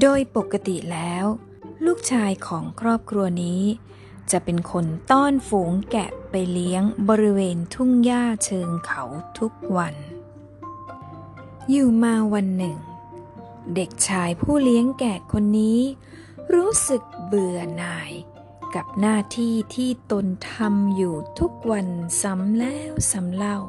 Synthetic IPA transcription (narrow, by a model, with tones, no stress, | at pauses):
doː˧jpo˨˩kːa˧t̪i˨˩lɛː˦˥w | luː˥˩k̚t͡ɕʰaː˧jkʰɔː˩˦ŋkʰɾɔː˥˩p̚kʰɾu˧ɐniː˦˥ | t͡ɕa˨˩ʔpe˧nkʰo˧nt̪ɔː˥˩nfuː˩˦ŋkɛ̰˨˩pa˧jli˦˥əŋbɔː˧ɾi˦˥weː˧nt̪ʰu˥˩ŋjaː˥˩t͡ɕʰɤː˧ŋkʰa˨˩˦wt̪ʰu˦˥k̚wa˧n | juː˨˩maː˧wa˧nːɯ˨˩ŋ | de˨˩k̚t͡ɕʰaː˧jpʰuː˥˩li˦˥əŋkɛː˨˩kʰːo˧nːiː˦˥ | ɾuː˦˥sɯ˨˩k̚bɯ˨˩ənaː˧j | ka˨˩p̚naː˥˩t̪ʰiː˥˩t̪ʰiː˥˩t̪o˧nt̪ʰa˧mjuː˨˩t̪ʰu˦˥k̚wa˧nsa˨˦mlɛː˦˥wsa˩˦mla˥˩w